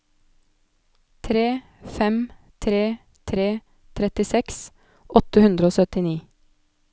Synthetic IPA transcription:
t̪ʰɾeː | fɛm | t̪ʰɾeː | t̪ʰɾeː | t̪ʰɾɛt̪ɪsɛks | ʔɔt̪əhʉnd̪ɾəoːsœt̪ɪniː

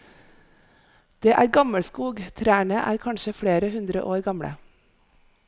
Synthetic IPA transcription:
d̪̥eːʔæːɾɡɑməɽskuːɡt̪ʰɾæːɳəʔæ̰ːɾkʰɑnʃəfɽeːɾəhʉnd̪ɾə̰ʔoːɾɡɑmɽə̰

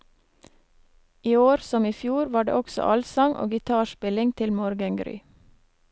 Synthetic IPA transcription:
ʔiːoːɾsɔmiːfjuːɾʋɑːɖḛːʔɔksɔ̰ʔɑlsɑŋʔo̰ːɡɪt̪ʰɑːʃpɪlɪŋt̪ʰɪlmɔɾɡəŋɡɾy̰ː

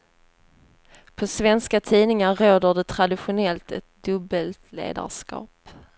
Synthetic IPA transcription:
pʰɔsvɛnskat̪ʰiːnɪŋaːoːd̪əɖɛt̪ʰɾad̪ɪɧʊnɛlt̪ɛt̪̚d̪ɵbːəlt̪ʰlḛːd̪a̰ʂkɑ̰ːp

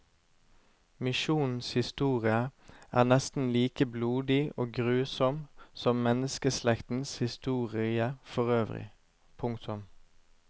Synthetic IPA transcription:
mɪʃuːnn̩shɪst̪uːʁɪəʔæ̰ːʁnɛst̪n̩liːkəbluːd̪ɪoːɡʁʉːsɔmsɔmmɛnəskəslɛkt̪n̩shɪst̪uːʁɪəfɔʁøːʋʁɪ̰ | pʰʊŋkt̪ʰʊm

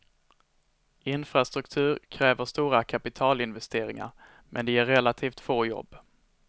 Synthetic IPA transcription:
ɪnfɾast̪ɾɵkt̪ʰʉ̟ːɾkʰɾɛːvəʂt̪uːɾakʰapɪt̪ʰɑːlɪnvɛst̪ʰeːɾɪŋa̰ɾ | mʔɛnd̪ɛjæɾːɛlat̪ʰiːft̪foːjɔ̰bː

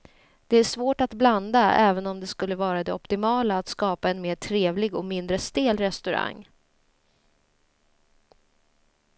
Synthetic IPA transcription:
d̪̥ɛæʂvoːʈat̪bland̪aɛːvənɔmd̪ɛskɵlːəvɑːɾad̪ɛɔpt̪ɪmɑːlaːt̪skɑːpaɛnmeːʈʰɾeːvlɪɡɔmɪnd̪ɾəst̪eːlɾɛst̪ɵɾa̰ŋː

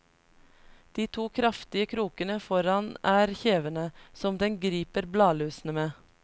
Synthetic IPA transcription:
d̪̥iːt̪ʰuːkʰɾɑft̪ɪəkʰɾuːkənəfɔɾɑnæːɾçeːʋənəsɔmd̪ɛŋɡɾiːpəɾblɑːlʉːsn̩əmeː

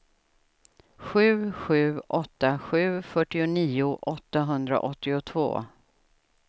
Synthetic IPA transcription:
ɧʉ̟ːɧʉ̟ːʔɔt̪ːaɧʉ̟ːfœʈːɪʊniːʊʔɔt̪ːaɦɵnd̪ɾa̰ʔɔt̪ːɪʊt̪ʰvo̰ː

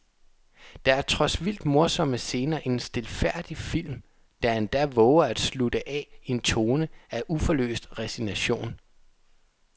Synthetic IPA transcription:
d̥ɑ̈æɐt͡sʰʁɒ̽sʋil̰d̥mo̝ɐsɒ̽məse̝ːnɐːʔe̝nsd̥e̝lfæɐ̰d̥ifil̰m | d̥æhænd̥æʋɔʊɐæd̥slud̥əʔɛe̝nt͡sʰo̝ːnəæʔufɒlø̰ːsd̥ʁɛsinæɕo̝̰ːn

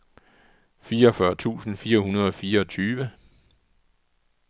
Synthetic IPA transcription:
fiːɐɒ̽fɶɐt͡sʰṵːsn̩fiːɐhunɐð̞ˠɒ̽fiːɐɒ̽t͡sʰyːʋə

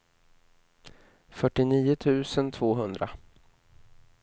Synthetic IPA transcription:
fœʈːɪniːʊt̪ʰʉ̟ːsənt̪ʰvoːɦɵnd̪ɾa

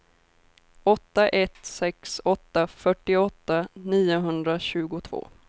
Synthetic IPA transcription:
ɔt̪ːaʔɛt̪sɛksɔt̪ːafœʈːɪɔt̪ːaniːʊɦɵnd̪ɾaɕʉ̟ːɡʊt̪ʰvo̰ː

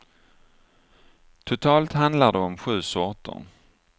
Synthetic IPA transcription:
t̪ʰʊt̪ʰɑːlt̪hand̪laɖɛɔmɧʉ̟ːsɔt̪ːə̰n

